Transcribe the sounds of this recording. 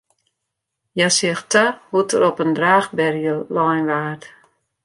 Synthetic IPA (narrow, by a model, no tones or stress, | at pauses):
jasɪəxtahutəɾɔpəndraːxbɛrjəlɔjnʋaːt